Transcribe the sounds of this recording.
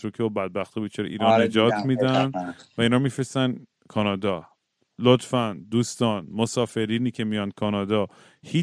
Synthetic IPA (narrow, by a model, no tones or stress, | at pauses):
ɾokʰeobæd̪̚bæxt̪ʰɒbet͡ʃʰeɾ̰ʔḭːɾɒnnːe̞d͡ʒɒːt̪ʰmiːd̪ænvæiːnhɒɾmifɾest̪æn | kʰɒːnɒːd̪ɒː | lot̪fænd̪d̪uːst̪ɒːnmosɒːfe̞ɾiːniːcʰe̞mijɒnd̪̚kʰɒnɒːd̪ɒː | hiː